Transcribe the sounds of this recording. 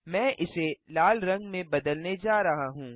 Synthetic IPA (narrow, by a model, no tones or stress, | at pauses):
mɛ̃ːʔɪselaːlɾɐ̃ŋɡmẽbɐd̪əlned͡ʒaːɾɐɦaɦũː